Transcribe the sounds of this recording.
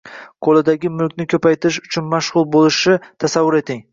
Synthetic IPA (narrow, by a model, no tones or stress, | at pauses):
qʰolɪd̪aɡʲɪmʊlkʲnɪkʲʰɵpʰajt̪ɪɪʃʊ̥t͡ʃʰʊnmaʃʁʊlˠbolɪʃɪt̪ʰasavːʊɾet̪ɪŋ